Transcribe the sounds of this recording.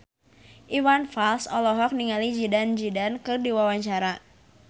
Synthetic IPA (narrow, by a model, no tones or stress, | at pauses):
ʔiwanfalsɔlɔɦɔk̚niŋalid͡ʒidand͡ʒidankɨrdiwawaɲt͡ʃaɾa